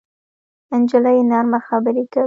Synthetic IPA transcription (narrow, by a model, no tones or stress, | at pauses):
ɪnd͡ʒɪlajenɑɾmaxabəɾeka